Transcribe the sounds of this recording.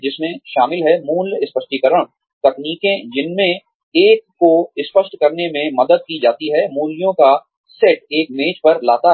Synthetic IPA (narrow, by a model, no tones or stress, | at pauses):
d͡ʒɪsmẽʃaːmɪlɦɛmuːlɪspəʃʈikəɾəɽ̃ | t̪ɐkniːkẽd͡ʒɪnmẽ | eːkːoɪspəʃʈkɐɾnemẽmɐd̪əd̪̚kid͡ʒaːt̪iɦɛmuːlijõka | seːʈeːkmeːt͡ʃpɐɾla̰ːt̪a